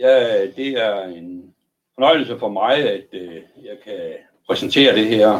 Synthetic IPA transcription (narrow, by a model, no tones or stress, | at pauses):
jæd̥e̝æɐe̝n | fɒnɒ̽ɪ̰l̩səfɒ̽mɑ̈ɪæd̥ | jɑ̈ɪkʰæ | pʰʁɛsnt͡sʰe̝̰ːɐd̥e̝ɦɛɐ̰